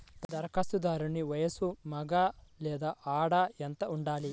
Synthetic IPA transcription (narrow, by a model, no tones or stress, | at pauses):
d̪d̪ɐɾkʰɐst̪ud̪aːɾunːiʋɐjɐsumɐɡaːlɛːd̪aːʔaːɽaent̪ɐuɳɖaːli